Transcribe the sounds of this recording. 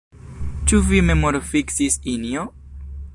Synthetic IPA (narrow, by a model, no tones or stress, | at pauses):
t͡ʃuvime̞moɾfiksisinio